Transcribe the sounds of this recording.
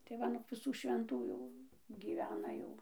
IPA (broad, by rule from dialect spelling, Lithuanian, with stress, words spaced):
tɐɪ ˈʋɐ nʊk ʋʲɪˈsuː ʃʲʋʲɛnˈtuː jɛʊ ɡʲiːˈʋʲæːnɐ ˈjɛʊ